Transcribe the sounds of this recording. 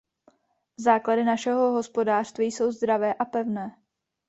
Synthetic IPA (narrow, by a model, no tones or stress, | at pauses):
zaːkladɪnaʃɛɦo̞ɦo̞spo̞daːr̥st̪viːjso̞wzd̪ɾavɛːʔapɛvnɛː